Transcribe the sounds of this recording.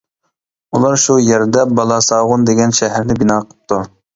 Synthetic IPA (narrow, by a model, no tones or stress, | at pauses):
ulˠɑɾʃujɛɾd̪ɛbɑlˠɑsɑːʁʊnd̪eɡʲɛnʃɛɦæɾnɪbinɑːqʰə̥p̚t̪ʰu